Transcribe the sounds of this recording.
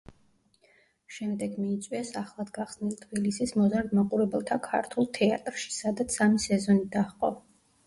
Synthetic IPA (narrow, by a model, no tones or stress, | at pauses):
ʃɛmd̪ɛɡmiːt̪sʼwiɛsaχlˠad̪ɡaχsnilt̪ʰbilisismɔzaɾd̪maqʼuɾɛbɛlˠt̪ʰakʰa̰ɾt̪ʰulˠt̪ʰɛa̰t̪ʼɾʃi̥sad̪at̪sʰamisɛzɔnid̪aχqʼɔ̰